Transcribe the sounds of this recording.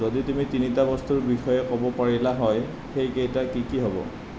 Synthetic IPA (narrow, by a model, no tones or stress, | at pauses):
oditumitinitabɔstuɹbixɔjɛkɔbɔpaɹilaɦɔj | xejkejtakikiɦɔbɔ̰